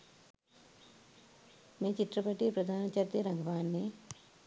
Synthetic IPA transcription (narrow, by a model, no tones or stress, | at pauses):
meːt͡ʃit̪ɾɐpɐʈipɾɐd̪ʱaːnɐt͡ʃɐɾt̪jɐɾɐŋɡɐʋaːnːe